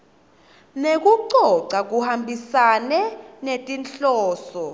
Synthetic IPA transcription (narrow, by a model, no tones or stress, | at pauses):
nek̬ʼuǀɔǀak̬ʼuhambʱisanɛnetʼinɬɔːsɔ